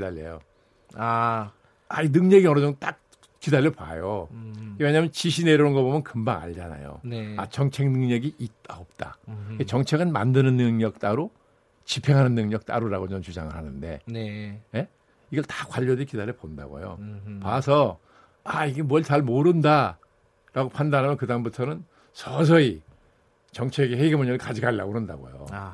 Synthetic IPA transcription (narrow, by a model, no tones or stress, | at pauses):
idaʎːḛjo | a | ainɯŋɲʌɡiʌnʌd͡ʑoŋt͈ak̚ | kidaʎːʌpa̰jokemeɲaːmjʌnt͡ɕiɕʰine̞ɾʌnɯnɡʌbomjʌnkɯmbaŋa̰ʎd͡ʑana̰jo̰a̰t͡ɕʌŋt͡ɕʰe̞ŋnɯŋɲʌɡiʔit̚t͈aop̚t͈a̰ket͡ɕʌŋt͡ɕʰe̞ɡɯnma̰ndɯnɯnːɯŋɲʌk̚t͈aɾo | t͡ɕipʰe̞ŋɦanɯnːɯŋɲʌk̚t͈a̰ɾuɾaɡot͡ɕʌnt͡ɕud͡ʑa̰ŋɯɭhanɯnde̞̰neje̞ | iɡʌɭtḁkwaʎːʌdikidaɾeponda̰ɡo̰jo̰pasʰʌ | aiɡe̞muʌɭt͡ɕaɭmoɾɯnda | ɾaɡopʰandaɾɦamjʌnkɯdambutʰʌnɯn | sʰʌs̬ʰʌi | t͡ɕʌŋt͡ɕʰeɡeheɡemʌɲʌɡɯɭkad͡ʑiɡaɭːaɡoɾɯnda̰ɡo̰jo̰